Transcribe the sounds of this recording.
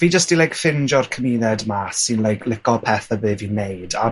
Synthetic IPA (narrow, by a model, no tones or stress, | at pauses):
v̥iːd͡ʒəstd̥ilajkfɪnd͡ʒɔrkʰəmiðɛdmasɨnlˠajkʰlɪkɔpʰɛθəbɨvinejda̰